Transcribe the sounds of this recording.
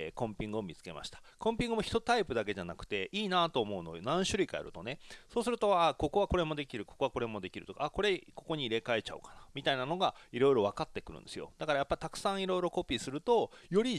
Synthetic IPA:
kõ̞mpʲĩŋɡɯo̞mʲit͡sɨ̥ke̞ma̰ɕi̥t̪ḁkõ̞mpʲĩŋɡɯmoçi̥t̪o̞t̪aipɯ̟d̪ak̬e̞ʑanakɯ̟̥t̪e̞ʔiːnat̪o̞ːmo̞ɯ̟no̞̰nãɰ̃ɕɨɾ̟ikaja̰ɾɯ̟̰t̪o̞ne̞so̞ːsɨɾɯ̟t̪o̞ako̞ko̞βako̞ɾe̞mo̞d̪e̞kʲiɾɯ̟ko̞̥ko̞ako̞ɾe̞mo̞d̪e̞kʲiɾɯ̟t̪o̞kako̞ɾe̞ko̞ko̞ɲ̟iːɾe̞kae̞t͡ɕa̰ɯ̟̰kḁnamʲit̪ainano̞ɡaiɾo̞jɾo̞βakat̪ːe̞kɯɾɯ̟̰̃nd̪e̞sɨjo̞̰d̪̥akaɾajapːait̪akɯ̟̥sãɰ̃iɾo̞iɾo̞ko̞pʲiːsɨɾɯ̟t̪o̞jo̞ɾʲi

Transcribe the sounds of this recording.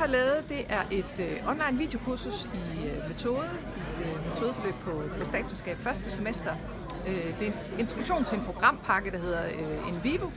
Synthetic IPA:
hɑ̈lɛːʊð̞̩ˠd̥e̝ʔæɐʔe̝d̥øʔɒ̽nlɑ̈ɪnʋḭːd̥eo̝kʰuɐsusime̝t͡sʰo̝ːðˠə | id̥øme̝t͡sʰo̝ːðˠfɒ̽lø̰ːɡ̥̚pʰɒ̽pʰɒ̽sd̥ɛ̰ːd̥sensɡ̥ɛ̰ːb̥fɶɐsd̥ʰəse̝mesd̥ɐ | ød̥e̝ | e̝nt͡sʰʁd̥uɡ̥ɕo̝̰ːnt͡sʰe̝enpʰʁoɡ̥ʁɑ̈m̰pʰɑ̈ɡ̥əɾ̥ɑ̈ɦe̝ð̰ˠɐøe̝nʋiːʋo

